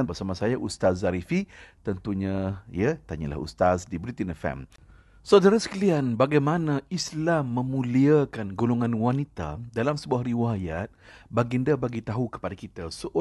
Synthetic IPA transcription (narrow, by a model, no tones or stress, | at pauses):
nbərsamasajaʔust̪azaɾifit̪ənt̪uɲãḭət̪aɲa̰la̰hṵst̪asdibɾit̪inɛfɛ̰m | sawdaɾasə̥kəlianbaɡajmanãislamːə̃mũliakanɡuluŋãnwanit̪a̰dalamsəbuahriwajat̪̚baɡindabaɡit̪aɦukə̥padakit̪asəʔ